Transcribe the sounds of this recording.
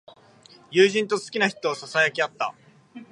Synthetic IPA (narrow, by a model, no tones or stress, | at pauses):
jɯːʑĩnt̪o̞sɨ̥kʲinaçi̥t̪o̞ːsasajakʲiat̪ːa̰